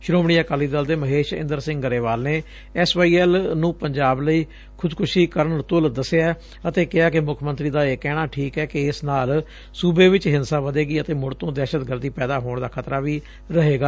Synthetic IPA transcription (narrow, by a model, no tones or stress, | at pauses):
ʃʊɾõːmɳ̃iːaːkaːliːd̪əld̪eːməɦeːʃɪ̰̃nd̪əɾsɪ̃ŋɡɡəɾeːʋaːlneː | ɛsʋaːiːɛːlnũːpəɲd͡ʒaːbləiː | kʰʊdkʰʊʃiːkəɾəɳt̪ʊld̪əseaː | ət̪eːkɪaːkɪmʊkʰmə̃nt̪ɾiːd̪aːeːkɛːɽ̃aːʈʰiːkɛːkɪɪsnaːl | suːbeːʋɪt͡ʃɦɪnsaːʋəd̪eːɡiːət̪eːmʊɽt̪õːd̪ɛːʃət̪ɡəɾd̪iːpɛːd̪aːɦoːɳd̪aːkʰət̪ɾaːʋiː | ɾəɦeːɡaː